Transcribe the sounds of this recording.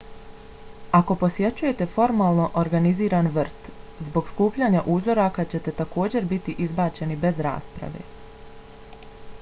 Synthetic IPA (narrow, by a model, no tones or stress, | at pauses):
ako̞po̞sje̞t͡ɕuje̞t̪e̞fo̞ɾmaːlˠno̞ʔoɾɡaniziːɾaːnʋr̩t̪zbo̞ɡskuːpʎaːɲaʔuːzo̞ɾakat͡ɕe̞t̪e̞t̪ako̞ːd͡ʑe̞ɾbit̪iʔizbaːt͡ɕe̞nibe̞zɾa̰ːspɾa̰ʋe̞̰ː